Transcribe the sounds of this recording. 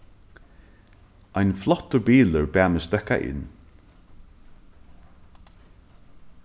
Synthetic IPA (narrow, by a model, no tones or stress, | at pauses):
ajnflɔt̪ːʏbiːləɹbæːmɪst̪œka̰ʔɪ̰nː